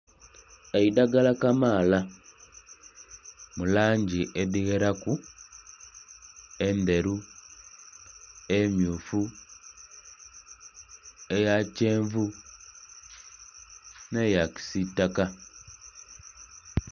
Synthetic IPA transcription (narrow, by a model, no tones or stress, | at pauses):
eidaɡalakamaːla | mulaːɲɟiʔeðiɣeɾaku | e̞nde̞ɾu | emjuːfu | ejaceːɱvu | nejaki̥sitːaka